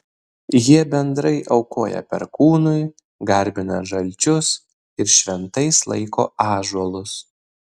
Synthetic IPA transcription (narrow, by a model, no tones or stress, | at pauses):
jiɛbʲɛnd̪ɾɐɪʔɐʊkoːjɛ̰pʲɛ̰ɾkuːnʊɪ | ɡɐɾʲbʲɪnɐʒɐlʲt͡ʃʲʊs | ɪɾʃʲʋʲɛnt̪ɐɪslˠɐ̰ɪko̰ːɑːʒuɔlˠʊs